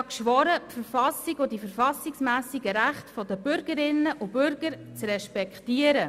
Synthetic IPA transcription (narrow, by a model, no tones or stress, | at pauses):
ɑkʃʋɔɾəpfəɾfɑsiɡʊdifəɾfɑsɪksmæːsiɡəɾæχtfɔd̪əbʏɾɡəɾɪnəʔʊb̥ʏɾɡ̥əɾt͡srɛʃpɛktiəɾə